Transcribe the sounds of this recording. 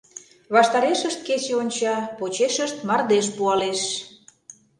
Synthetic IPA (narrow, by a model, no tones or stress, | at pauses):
βɑʃt̪ɑɾeʃəʃt̪̚ket͡ɕeonʲt͡ɕɑpot͡ɕeʃəʃt̪mɑrd̪eʃpuɑleʃ